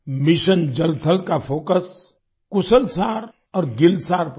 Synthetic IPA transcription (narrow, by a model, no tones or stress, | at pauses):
mɪʃənd͡ʒəlt̪ʰəlkapʰoːkəs | kʊsəlsaːɾ | ɔɾɡɪlsaːɾp